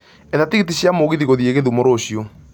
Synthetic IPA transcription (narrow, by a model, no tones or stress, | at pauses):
eðatiɣit̬iɕjamoɣiðiɣoðjeɣeðumoɾoɕio